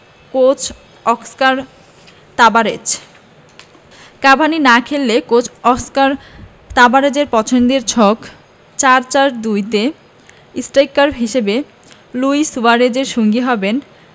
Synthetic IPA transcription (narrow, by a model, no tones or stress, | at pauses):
kot͡ɕ | ɔkskaɾ | t̪abaɾed͡ʑ | kabʱaninakʰelːekot͡ɕɔkskaɾ | t̪abaɾed͡ʑeɾpɔt͡ɕʰond̪eɾt͡ɕʰɔk | t͡ɕaɾt͡ɕaɾd̪ujt̪e | isʈajkːaɾbɦiʃebe | luisuaɾed͡ʑeɾʃoŋɡiɦɔben